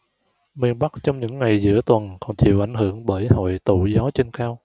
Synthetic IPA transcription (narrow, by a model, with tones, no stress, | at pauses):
mi˧ənɓa˦˥k̚t͡ɕɔ˧wŋ͡mɲɨ̰˧˥ŋːa˨˩jzɨ̰˧˥ət̪wə˨˩nkɔ˨˩nt͡ɕḭ˧˨əwʔa˧˩jŋ̟hɨ˧˩əŋɓəː˧˩jho̰˧˨jt̪ṵ˧˨zɔ˨˦t͡ɕe˧nxaː˧w